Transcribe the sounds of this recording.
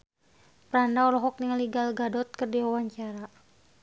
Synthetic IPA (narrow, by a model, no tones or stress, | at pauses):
pəɾandaɔlɔɦɔk̚niŋəliɡalɡadɔt̪̚kərdiwawaɲt͡ʃaɾa